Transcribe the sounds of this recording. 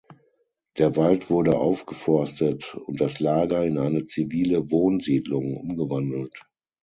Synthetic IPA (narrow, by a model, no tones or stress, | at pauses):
d̥eːɐvaltv̥ʊɐdəʔa̰ʊfɡ̥əfɔɐstətʊnt̚d̥aslaːɡɐɪnʔaɪnət͡siviːləvoːnziːdlʊŋʔʊ̰mɡəvandl̩t